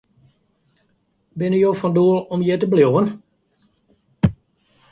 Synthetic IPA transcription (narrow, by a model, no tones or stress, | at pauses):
bɪnəjoːfɔnduəlˠɔmjet̬əbljowən